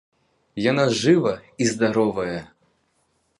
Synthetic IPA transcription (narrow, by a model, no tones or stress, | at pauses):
janaʐɨvɐizd̪aɾɔvɐjɐ